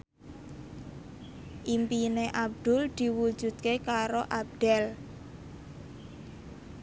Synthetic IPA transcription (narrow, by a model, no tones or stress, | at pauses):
ʔimpineʔab̚d̪̥ʊld̪̥i̤wu̥d͡ʒ̥ṳt̪̚kekaɾoʔab̚d̪̥ɛl